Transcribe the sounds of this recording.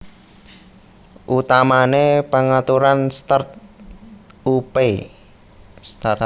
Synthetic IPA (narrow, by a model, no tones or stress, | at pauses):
ʔut̪amanepaŋat̪uɾanst̪art̪̚ | upe | st̪a